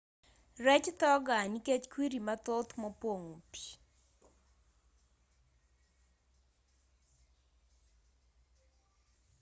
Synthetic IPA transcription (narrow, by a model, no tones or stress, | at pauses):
rɛt͡ʃt̪ɔɡaniket͡ʃkwiɾimat̪ot̪mɔpoŋupi̥